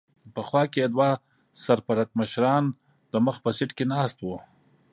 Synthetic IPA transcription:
pəxwɑkeed̪wa | saɾpaɾat̪̚məʃɾɑn | d̪̥əməxpəsɪʈkenɑst̪wu

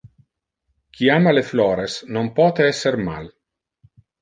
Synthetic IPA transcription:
kʰiamaleflɔːɾesnompɔːt̪eɛsːeɾma̰l

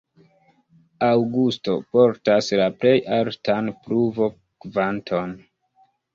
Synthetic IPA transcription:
awɡusto̞po̞ɾtaslaple̞jʔaltanpɾuvo̞ | kvantʰo̞n

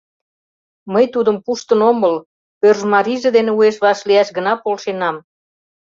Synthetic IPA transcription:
məjt̪ud̪əmpuʃt̪ənoməl | pørʒmɑɾiʒĕd̪eneueʃβɑʃliɑʃɡə̆nɑpolʃenɑm

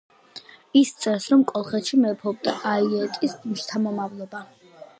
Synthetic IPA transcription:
ist̪sʼɛsɾɔmkʼɔlˠχɛt̪ʃimɛpʰɔbd̪aʔaiɛt̪ʼismʃt̪ʰamɔmavlˠɔba

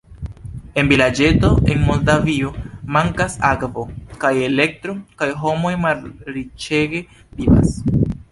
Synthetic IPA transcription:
e̞nbilad͡ʒe̞to̞e̞nmo̞ldavio̞maŋkasakvokaje̞le̞k̚tɾo̞kajɦo̞mo̞jmalɾit͡ʃeɡe̞ | biba̰s

